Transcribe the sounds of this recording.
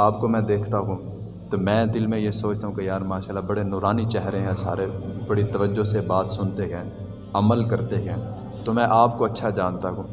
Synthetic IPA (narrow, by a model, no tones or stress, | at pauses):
aːpkomɛ̃ːd̪eːkʰt̪aɦũː | t̪omɛ̃ːd̪ɪlmẽjesoːt͡ʃt̪aɦũkejaːɾmaːʃaːlːabɐɽenɔːɾaːnit͡ʃɛɦɾeɦɛ̃saːɾebɐɽit̪ɐʋəd͡ʒosebaːt̪sʊnt̪eɡɛ̃ː | ɐməlkɐɾt̪eɡɛ̃ː | t̪omɛ̃ʔaːpkoɐtːʃʰad͡ʒaːnt̪aɦũː